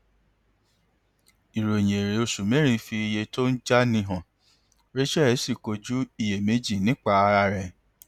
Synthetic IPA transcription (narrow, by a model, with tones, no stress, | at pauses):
i˨ɾo˨j̃e˨ɾe˨˦o˧˨su˨mẽ˨˦ɾ̃ĩ˦˧fi˧i˧je˧to˦n̩˦d͡ʒa˦nĩ˧˦ɦã˨ | ɾe˦ʃɛ˦˨˦si˦˨ko˧d͡ʒu˦i˦˨je˨me˨˦d͡ʒi˦˨nĩ˦k͡pa˧a˧ɾa˧ɾɛ̃˨